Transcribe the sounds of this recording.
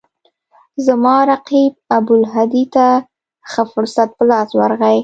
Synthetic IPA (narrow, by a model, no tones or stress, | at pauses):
zəmɑɾaqib̚ab̪ʊlɦad̪it̪a | xəfʊɾsat̪̚pəlɑswaɾɣaj